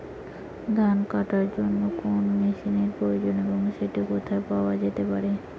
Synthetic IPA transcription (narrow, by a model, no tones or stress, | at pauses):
d̪ʱankaʈaɾd͡ʑonːokonmeʃineɾpɾojod͡ʑoneboŋʃeʈikot̪ʰaepaoad͡ʑet̪epaɾe